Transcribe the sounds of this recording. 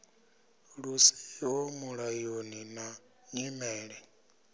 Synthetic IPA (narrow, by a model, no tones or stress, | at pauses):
ɺusiwomuɺajonina | ɲimɛːɺɛ